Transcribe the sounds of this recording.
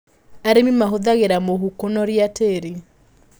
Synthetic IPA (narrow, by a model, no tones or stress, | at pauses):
aɾemimaɦoðaɣeɾamoɦukonɔɾjateːɾi